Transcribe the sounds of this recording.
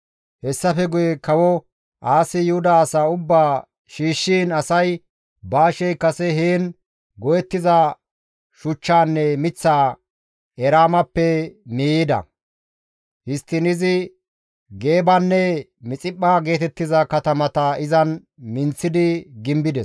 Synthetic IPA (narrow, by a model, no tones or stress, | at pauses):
hɛsːɐfɛɡʊjɛkɐwɔ | ʔaːsɪjʊhʊd̪aːsaʊbːaː | ʃiːʃːiːnɐsɐj | baːʃɛjkːɐsɛɦeːn | ɡɔjɛt̪ːɪzɐ | ʃʊt͡ʃːaːnːɛmɪt͡sːaː | ɛɾaːmɐpːɛmiːɪd̪ɐ̰ | hɪst̪ːɪnɪzɪ | ɡe̞ːbɐnːɛmɪt͡sʼɪpʼːaːɡe̞ːt̪ɛt̪ːɪzɐkɐt̪ɐmɐt̪ɐɪzɐn | mɪnt͡sːɪd̪ɪɡɪmbɪd̪ɛs